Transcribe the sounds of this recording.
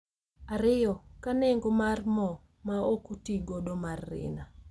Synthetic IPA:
aɾɪjɔkanɪŋɡomarmɔ | maokutiɡodomarːɪ̰na

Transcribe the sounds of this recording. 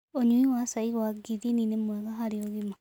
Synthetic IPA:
oɲuiwasaiɣaɡiðininemoɛɣaɦaɾioɣima

